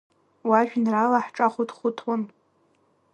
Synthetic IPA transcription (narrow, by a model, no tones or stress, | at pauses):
waʒᶣnralaħʈ͡ʂʼaχʷʊdʰχʷʊtʰwʊn